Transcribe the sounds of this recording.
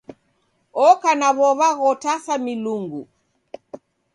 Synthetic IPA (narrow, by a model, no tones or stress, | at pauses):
ɔkanaβɔβaɣɔtasamiluŋɡu